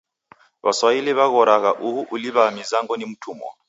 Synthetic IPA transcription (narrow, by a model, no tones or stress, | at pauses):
βaswailiβaɣɔɾaɣaʔuɦuʔuliβamizaŋɡɔnim̩tʰuːmɔ̰